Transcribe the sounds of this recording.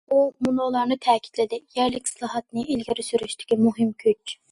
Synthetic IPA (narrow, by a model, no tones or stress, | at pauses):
umunolˠɑɾnɨt̪ʰɛːkʲʰi̥d̪̥lɪd̪ɪjæɾlɪkʲsɨlˠɑɦɑt̪̚nɨʔilɡʲɪɾysyɾyʃt̪ɪ̥kʲimuɦɪmkʲʰyt͡ʃ